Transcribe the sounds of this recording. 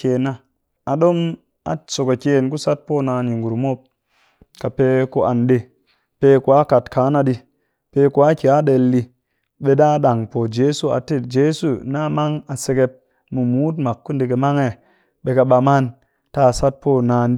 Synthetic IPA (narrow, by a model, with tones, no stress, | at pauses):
ke˨na˦ | a˨ɗo˦m | a̰˨so˨ko˨kʲe˨˦nku˦sa˦t̚po˦˨naː˧ni˨ŋɡu˨ɾmo˦p̚ | ka˨pe˧ku˦ʔa̰˨nɗe˧ | pe˧ku˨a˦ka˨tkʰaː˨˦na˧ɗi˧ | pe˧ku˨a˦ki˨a˦ɗe˧˨lːi˧ | ɓe˦ɗa˦ɗa˨ŋpo˨d͡ʒe˦su˦˨a̰˨te˦d͡ʒe˦su˨˦na˦ma˦ŋa˨se˧ke˧p̚ | mu˨muː˦t̬ma˨kːu˦nde˧k̬e˧ma˦ŋe˦˨ | ɓe˧ka˧ɓa˧ma˦n | ta˦˨sa˦t̚po˦˨naː˧˦n˦